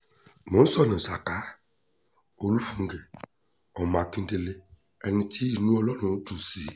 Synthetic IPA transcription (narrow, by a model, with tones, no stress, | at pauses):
mʊ̃˨˦sɔ˦nɪ̃˨sa˨ta˨˦ | o˨lu˦fu˨ŋ˨ɡe˨ | ɔ˨ma˨kĩ˦n˦de˧le˦ | ɛ˧nɪ̃˦tʰi˦i˨nũ˦ɔ˦lɔ˦nʊ̃˨˦tu˨si˨